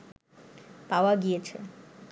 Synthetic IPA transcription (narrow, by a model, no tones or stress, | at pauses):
paoaɡijet͡ɕʰḛ